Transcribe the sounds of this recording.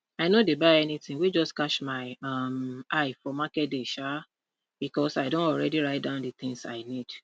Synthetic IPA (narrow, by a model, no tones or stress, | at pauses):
aɪnodebaɪɛnitĩŋwid͡ʒɔskaʃmaɪamaɪfɔmakɛt̚deʃa | b̥ikɔsaɪdõntɔlɹɛdiɹaɪt̚dãʊ̃ndɨt̪ĩŋsa̰ɪnid̥